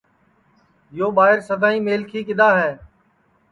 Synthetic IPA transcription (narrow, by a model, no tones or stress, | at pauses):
joːɓaːɪɾsəd̪ʱaːĩːmeːlkʰiːkɪɗ̪aːɦɛː